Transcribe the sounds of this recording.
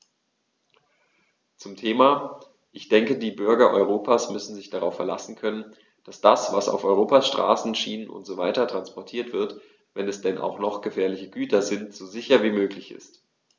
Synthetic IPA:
t͡sʊmtʰeːmaː | ʔɪçd̥ɛŋkədiːbʏɐɡɐʔɔʏʁ̞oːpʰaːsmʏsn̩zɪçd̥aʁ̞aʊfːɛɐla̰sn̩kʰœnən | d̥asd̥asv̥a̰sa̰ʊfɔʏʁ̞oːpasʃtʁ̥a̰ːsn̩ʃiːnənʔʊ̰ntz̥oːvaɪtɐtʁ̥anspɔɐtʰiːɐtv̥ɪɐt | vɛnɛsd̥ɛnʔa̰ʊxnɔχɡ̥əfɛːɐlɪçəɡyːtʰɐzɪntz̥oːzɪçɐviːmøːklɪçɪ̰st

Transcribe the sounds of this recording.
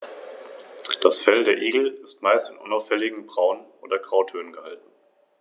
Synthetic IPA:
d̥asfɛldeːɐʔiːɡl̩ɪstmaɪstɪnʔʊ̰naʊfɛlɪɡŋ̩bʁaʊənʔo̰ːdɐɡʁ̥aʊtʰøːnənɡəhaltn̩

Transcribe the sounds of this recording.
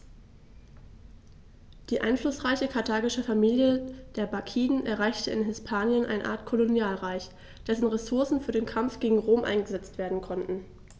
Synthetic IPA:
d̥iːʔa̰ɪnflʊsʁ̥aɪçəkʰaɐtʰaːɡɪʃəfamiːljəd̥eːɐbakʰiːdn̩ʔɛɐʁ̞aɪçtəɪ̰nɦɪspʰaːnjənʔa̰ɪnʔa̰ːɐtkʰolonjaːlʁaɪç | d̥ɛsn̩ʁesʊɐsn̩fyːɐdeːnkʰamfɡ̥eːɡŋ̩ʁoːmʔa̰ɪnɡəzɛt͡stv̥eːɐdn̩kʰɔntn̩

